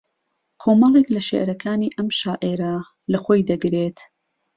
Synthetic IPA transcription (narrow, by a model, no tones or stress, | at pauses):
kʰoːmɑlˠeklɐʃḛʔɾɐkʰaːniːʔɐmʃaːʔeɾɐ | lɐxoːjd̪ɐɡɾet̪